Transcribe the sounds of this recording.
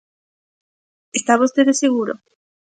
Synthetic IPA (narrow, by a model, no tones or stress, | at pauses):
est̪aβost̪eðeseɣuɾo